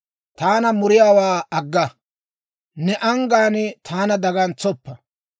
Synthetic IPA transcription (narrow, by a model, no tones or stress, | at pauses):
t̪aːnɐmʊɾɪjaːwaːɐɡːɐ | nɛʔɐŋɡaːnt̪ʰaːnɐd̪ɐɡɐnt͡sːɔpːɐ